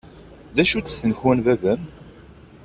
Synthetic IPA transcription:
ðæʃut͡sːθːənəçwænvævən

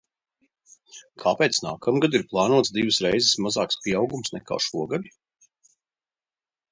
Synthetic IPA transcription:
kʰaːpɛːt̪snaːkamɡad̪iɾplˠɑːnuɔt̪zd̪ivɨsɾɛjzɪsmazɑːkspʲiɛawɡumsnɛka̰ːʃuɔɡad̪i

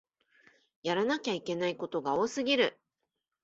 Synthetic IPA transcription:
jaɾanakʲaike̞naiko̞t̪o̞ɡao̞ːsɨɡʲiɾɯ̟

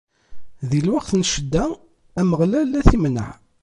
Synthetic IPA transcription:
ðilwaqθnʃəd̪ːæ | æməʁlælːæθimnə̰ʕ

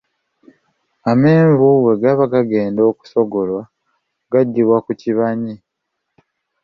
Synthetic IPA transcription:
ame̞ːɱvuwe̞ɡaβaɡaɡe̞ːndo̞ːku̥so̞ɡo̞lwa | ɡaɟːiβwakuciβaɲi

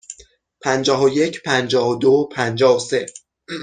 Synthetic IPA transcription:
pʰænd͡ʒɒːɦoje̞cʰpʰænd͡ʒɒːɦod̪opʰænd͡ʒɒːhose̞

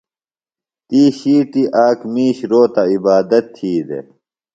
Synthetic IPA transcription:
t̪iːɕiːʈiʔaːkmiːɕɾoːt̪aibaːd̪ɐt̪ʰːiːd̪ḛ

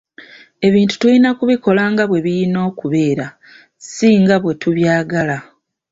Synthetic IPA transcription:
e̞βiːntu̥tulinakuβiko̞laːŋɡaβwe̞βijino̞ːkuβe̞ːɾa | siːŋɡaβwe̞tuβjaːɡala

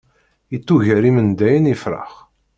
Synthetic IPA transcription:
it͡sːuʝəɾimənd̪æjənifɾˤɑ̰χ

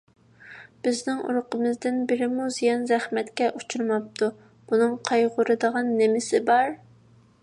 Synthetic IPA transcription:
b̥ɪznɪŋṵɾʊqəmɨzd̪ɪnbɪɾɪmuzijɑnzɛχmɛt̪kʲɛʔut͡ʃʰuɾmɑp̚t̪ʰu | b̥unɨŋqʰɑjʁʊɾɨd̪əʁɑnːɪmɪsɪbɑɾ

